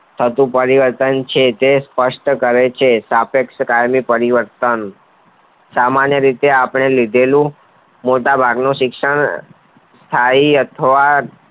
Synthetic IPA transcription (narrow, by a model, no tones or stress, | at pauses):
t̪ʰət̪ũpəɾiʋəɾt̪ənt͡ʃʰet̪espəʂʈəkəɾet͡ʃʰesapekʃəkajmipəɾiʋəɾt̪ən | samanjəɾit̪eapɳ̃elid̪ʱelũ | moʈabʱaɡnũʃɪkʂəɳ | st̪ʰaiət̪ʰəʋa